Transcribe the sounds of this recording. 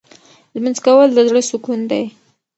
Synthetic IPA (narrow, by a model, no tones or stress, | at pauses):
lmanzkawəld̪əzɽəsukund̪aj